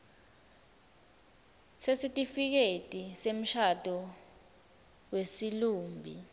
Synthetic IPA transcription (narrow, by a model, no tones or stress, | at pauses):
sesitʼifik̬etʼisem̩ʃatʼɔ | wesiluːmbʱḭ